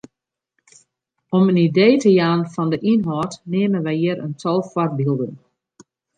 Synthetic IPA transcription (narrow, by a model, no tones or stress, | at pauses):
ɔmənideːtəjaːnfɔndəʔinɦɔːtneːmənʋɛjɪəɾʔə̰ntʰɔlˠfwɔr̚bilˠdən